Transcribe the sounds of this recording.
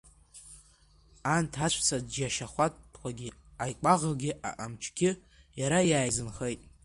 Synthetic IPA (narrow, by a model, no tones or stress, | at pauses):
antʰat͡ʃʷʰt͡sʰadd͡ʒaʃaχʷatpʰqʷaɡʲɪajkʷʼaʁəɡʲɪʔaʔamt͡ʃʰɡʲɪ | jaɾajaːjzɨnχejtʼ